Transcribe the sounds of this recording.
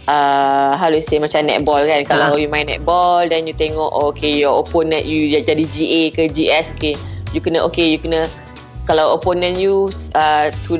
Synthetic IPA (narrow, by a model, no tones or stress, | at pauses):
ʔəɦalusemat͡ʃamnɛ̰t̪̚bɔlkankalawjumãnɛ̰t̪̚bɔldɛnjut̪eŋɔʔokejɔoponənjud͡ʒadid͡ʒiʔekəd͡ʒiʔɛsokejukənə̃ʔokejukənə̃ | kalawoponə̃njuət̪u